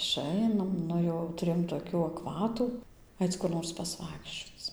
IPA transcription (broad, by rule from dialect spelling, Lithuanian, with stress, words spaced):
ɪˈʃɐɪnɐm ˈnʊ jɛʊ tʊˈrʲeːjoːm toːˈkʲuː ɐkˈʋɑːtuː ˈɐɪt͡s kʊr ˈnoːrs pɐsˈʋɐɪkʃʲt͡ʃʲoːt͡s